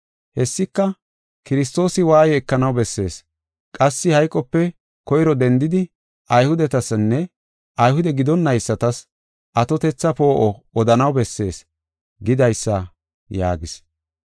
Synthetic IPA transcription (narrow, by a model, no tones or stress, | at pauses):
hɛsːɪkːɐ | kɪɾɪs̬t̪o̞ːsɪwaːjɛɛkːɐnɐwbɛsːe̞ːs | kʼɐsːɪhɐjkʼːɔpːɛ | kɔjɪɾɔd̪ɛnd̪ɪd̪ɪ | ɐjhʊd̪ɛt̪ɐsnːɛ | ɐjɦʊd̪ɛɡɪd̪ɔnːɐjsːɐt̪ɐs | ʔɐt̪ɔt̪ɛt͡sːɐpo̞ːʔɔɔd̪ɐnɐwbɛsːe̞ːs | ɡɪd̪ɐjsːɐ | ja̰ːɡɪs